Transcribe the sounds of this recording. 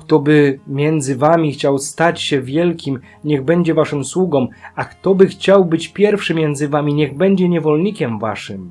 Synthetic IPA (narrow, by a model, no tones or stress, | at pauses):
kt̪ɔbɘmʲjɛnd̪zɘvamʲixt͡ɕawst̪at͡ɕɕɛvʲjɛlkʲim | ɲɛɣbɛɲd͡ʑɛvaʂɘmswuɡɔmakt̪ɔbɘxt͡ɕawbɘt͡ɕpʲjɛɾfʂɘmʲjɛnd̪zɘvamʲiɲɛɣbɛɲd͡ʑɛɲɛvɔlɲikʲɛmva̰ʂɘm